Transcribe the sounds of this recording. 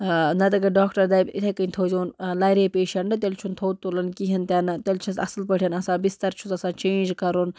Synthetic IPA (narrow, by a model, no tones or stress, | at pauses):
nɐt̪ɐɡɐɖaːkʈɐɾd̪abɪt̪ʰekɐĩt̪ʰoːd͡ʒoːnlaːjɾeːpeːʃɐɳɖɨt̪ʲɐlt͡ʃʰunt̪ʰoːt̪̚t̪ːulɐnkiɦɐnt̪ʲɐnɐt̪ɐlt͡ʃʰɐsɐ̰slpɐʈʰʲjɐnɐsãːbɪst̪ɐɾt͡ʃʰut̪ɐsãːt͡ʃẽːnd͡ʒkɐɾun